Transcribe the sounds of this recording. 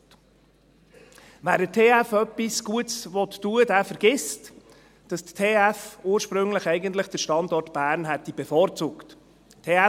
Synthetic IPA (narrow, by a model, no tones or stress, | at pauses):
væːɾətʰeːæfœpːisɡuətsvɔt̪ːuədæːfəɾɡ̥ɪst | d̥ɑsttʰːeːæfuːəɾʃpɾɵŋləχɛɪɡənt̪ləχd̥əɾʃtɑnd̪ɔɾtb̥æːɾnɦɛt̪ib̥ɛfɔːɾt͡sʊːkt | tʰeːæ